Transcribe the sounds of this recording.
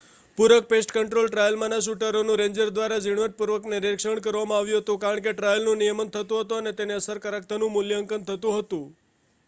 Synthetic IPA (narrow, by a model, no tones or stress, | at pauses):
puɾək̚pesʈkəɳʈɾolʈɾajəlmãnas̬uʈəɾonũɾẽɲd͡ʒəɾd̪ʋaɾad͡ʒiɽ̃ʋəʈ̚puɾʋəkneɾekʂəɳkəɾʋamãaʋjũɦət̪ũkaɾəɳkeʈɾajəlnũnijəmənt̪ʰət̪ũɦət̪ũənet̪eneəsəɾkəɾakt̪ʰənũmʊljəŋkənt̪ʰət̪ũɦət̪ũ